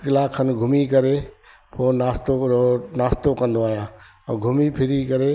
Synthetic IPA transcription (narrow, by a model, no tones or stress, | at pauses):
kɪlaːkʰənɡʱʊmikɐɾe | pʰoːnaːst̪onaːst̪okɐ̃nd̪oaːɦjãː | ɛ̃ːɡʱʊmipʰɪɾikɐɾe